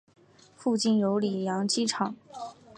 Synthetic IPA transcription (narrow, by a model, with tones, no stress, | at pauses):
fu˥˧t͡ɕi˥˩njo˧˥ʊli˨˩jɑ˧˥ŋt͡ɕi˥˩ʈ͡ʂʰɑ˨˩˦ŋ